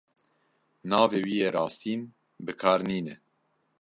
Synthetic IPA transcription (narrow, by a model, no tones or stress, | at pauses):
nɑːveːwiːjeːɾɑːst̪ʰiːn | bɨkʰɑːɾniːnɛ